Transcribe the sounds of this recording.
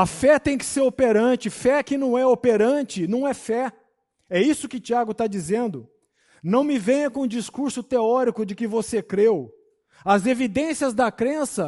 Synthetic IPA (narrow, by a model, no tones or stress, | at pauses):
ɐfɛt̪ẽj̃kɪ̥seɾopeɾɐ̃t͡ʃɪfɛkɪnɐ̃w̃ɛopeɾɐ̃t͡ʃɪnɐ̃w̃ɛfɛ | ɛisʊkɪt͡ʃiaɡʊt̪ad͡ʒizẽnd̪ʊ | nɐ̃w̃mɪvẽj̃ɐ̃kõũd͡ʒiskuɾsʊt̪eɔɾikʊd͡ʒɪkɪvosekɾew | ɐzevid̪ẽsiɐzd̪ɐkɾẽsɐ